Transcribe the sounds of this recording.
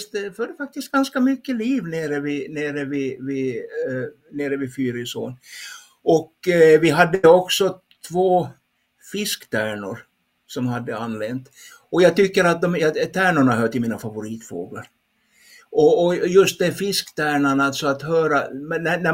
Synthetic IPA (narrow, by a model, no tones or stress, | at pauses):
t̪d̪ɛfœd̪ːəfak̚t̪ɪst̪̚ɡanskamʏkːəliːvneːɾəvɪneːɾəvɪvɪ | neːɾəvɪfyːɾɪso̰ːn | ɔkvɪɦad̪ːəəɔksɔ | t̪ʰvoː | fɪskt̪ʰæːɳʊ̰ɾ | sɔmhad̪ːəanːlɛnt̪ | ɔjɑːɡt̪ʏkːəɾat̪̚d̪ɔmjɑt̪ʰæːɳʊɳaɦœːʈ̪ɪmiːnafavʊɾiːt̪fo̰ːɡa̰ɾ | ʔɔɔjɵst̪̚d̪ɛfɪskt̪ʰæːɳaɳalt̪sɔat̪hœːɾamɛnænæ